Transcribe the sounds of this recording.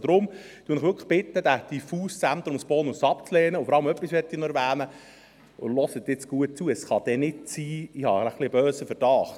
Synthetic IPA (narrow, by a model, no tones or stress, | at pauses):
d̥ɾʊm | t̪uənɪχʋʏɾkʰəχb̥ɪt̪ːəd̥̪æd̥ifuːst͡sænt̪ɾʊmsb̥oːnʊsɑpt͡slɛːnəʊfɔɾɑləmœpːisʋɛtdiːnɔɛɾʋæːnə | ʊ̰lɔsət̪ːɪt͡sɡ̥uət̚t͡suəsχɑd̥̪ɛnɪtt͡siːɪhɑəχlɪbøːsəfəɾd̥ɑχt